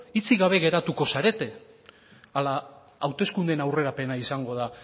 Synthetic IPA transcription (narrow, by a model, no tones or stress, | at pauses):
it͡siɣaβ̞e̞ɣe̞ɾat̪uko̞saɾe̞t̪e̞ | ala | awt̪e̞skund̪e̞nawre̞ɾape̞naisaŋɡo̞ð̞a